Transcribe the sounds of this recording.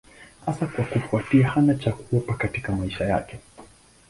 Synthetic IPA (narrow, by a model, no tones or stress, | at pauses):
hasakwakufuatiahanat͡ʃakuɛpakatikamaiʃaja̰kɛ